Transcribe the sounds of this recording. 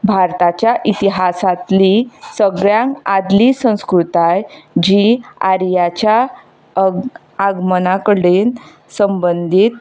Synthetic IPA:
bʱaɾt̪at͡ɕjaʔit̪iɦasat̪lisəɡɭjãŋkad̪liːsə̃w̃skɾut̪ajd͡ʑiːa̰ɾjat͡ɕja | aɡmənakəɽen | səmbənd̪ʱiːt̪̚

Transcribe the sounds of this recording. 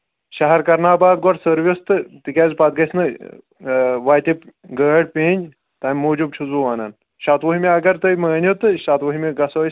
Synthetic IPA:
ʃɐɦɐɾkɐɾnaːbaːd̪ɡɔʈsəɾʋʲist̪ɨt̪ikʲaːzpɐt̪̚ɡɐsnɨ | ʋaːjt̪ʲipɡəːɽpʲeːnʲ | t̪amʲmoːd͡ʒub̚t͡ʃʰuzuːʋaːnaːn | ʃat̪ʋuɦimʲeɐɡɐɾt̪ɨjmɐːnʲot̪ɨʃat̪ʋɐɦimʲeɡɐsos

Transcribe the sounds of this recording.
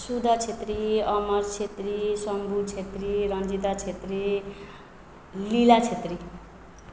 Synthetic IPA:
sud̪ʱʌt͡sʰet̪riʌmʌrt͡sʰet̪risʌmbʱut͡sʰet̪riɾʌnd͡zid̪at͡sʰet̪ɾi | lilat͡sʰet̪ri

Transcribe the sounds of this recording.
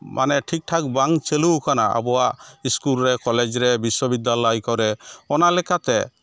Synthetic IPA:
mʔa̰nɛʈʰik̚ʈʰak̚baŋt͡ʃelukʰana̰a̰bɔaʔiskulɾɛkɔled͡ʒɾɛbiswɔbid̪alɔjkɔɾɛɔnalɛkat̪ɛ

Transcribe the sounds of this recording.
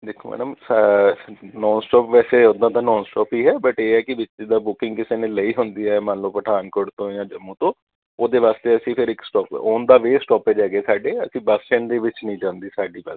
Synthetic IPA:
d̪ɪkʰoːmɛ̰ːɖəm | nɔːnsʈɔːpʋɛːseːʊd̪ːãːt̪ãːnɔːnsʈɔːpiːɦɛːbəʈeːɦɛːkɪʋɪt͡ʃːd̪aːbʊkɪ̃ŋɡkɪseːnẽːləiːɦʊnd̪iːaɛːmə̃nloːpəʈʰaːnkoɖt̪õːjãːd͡ʒəmːũːt̪õː | oːd̪eːʋaːst̪eːəsĩːpʰɪɾɪksʈɔːpoːnd̪aːʋeːsʈɔːpɛːd͡ʒɛːɡeːsaːɖeːəsĩːbəst͡ʃɛ̃ːɳd̪eːʋɪt͡ʃnəĩːd͡ʒãːnd̪iːsaːɖiːbəs

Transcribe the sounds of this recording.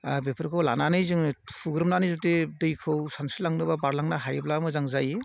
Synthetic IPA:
bepʰɯɾkʰɯwla̰nanɯjzɯŋpʰuɡɾɯmnanɯzɔtedɯjkʰɯwsansilaŋnɯbabaɾlaŋnaɦajblamɯzaŋzaji

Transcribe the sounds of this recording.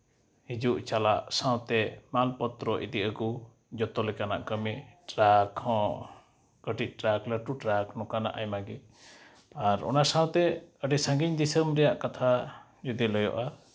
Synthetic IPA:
hid͡ʒuʔt͡ʃalaʔsãwt̪ɛmalpɔt̪ɾɔʔḭd̪iʔəku | d͡ʒɔt̪ɔlɛkana̰ʔkəmiʈɾakʰːɔ̃ | kəʈic̪̚ˀʈɾakləʈuʈɾaknɔkana̰ʔajmaɡi | aɾɔ̰nasãw̃t̪ɛəɖɛsãŋɡiɲd̪isəmɾɛjaʔkat̪ʰa | d͡ʒud̪iləjɔ̰ʔa

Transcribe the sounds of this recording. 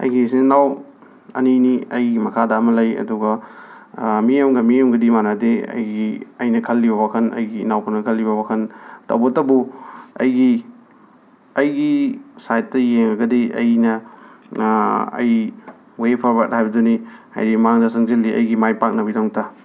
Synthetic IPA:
ɐ̰jɡisinaw | ɐ̰niniɐjɡimɐkʰadaːmɐlɐjɐ̰duɡɐ | mijemɡɐmijemɡɐdimanadeɐ̰jɡiɐjnɐkʰɐlːibɐbakʰɐnɐ̰jɡiːnawpʰɐnɐkʰɐlːibɐbakʰɐntɐ̰wbɐtːɐbuɐ̰jɡi | ɐjɡisajt̚tɐjeŋɐɡɐdiʔɐ̰jnɐ | ɐ̰j | wepʰɐɾbak̚tajbɐduniha̰jɾimaŋdɐsɐŋzilːiɐ̰jɡimajpak̚nɐbidaŋta

